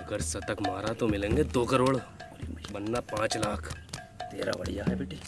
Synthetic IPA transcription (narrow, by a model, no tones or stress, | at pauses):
ɐɡəɾsɐt̪əkmaːɾat̪omɪlẽːŋɡed̪oːkɐɾoːɽ | bɐnːapãːt͡ʃlaːkʰ | t̪ḛːɾa̰bɐ̰ɽijaɦɛbeːʈːi